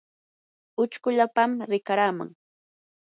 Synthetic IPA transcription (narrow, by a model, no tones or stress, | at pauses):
ʊt͡ʃkʊʎapamɾɪkaɾaːma̰ŋ